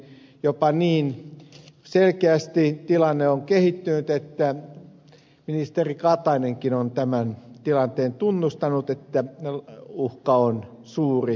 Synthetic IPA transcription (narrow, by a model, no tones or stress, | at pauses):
jopɑniːn | selkeæst̪it̪ilɑnːeoŋkehit̪ːynyt̪et̪ːæ | minist̪erikɑt̪ɑineŋkinont̪æmænt̪ilɑnt̪eːnt̪unːust̪ɑnut̪et̪ːæ | uhkɑon | suːri